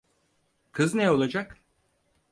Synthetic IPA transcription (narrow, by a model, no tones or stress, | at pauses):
kʰɯznɛo̞lˠad͡ʒak